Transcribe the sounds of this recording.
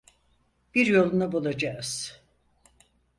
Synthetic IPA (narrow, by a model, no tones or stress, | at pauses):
b̥iɾjo̞lˠunabulˠad͡ʒaːz̥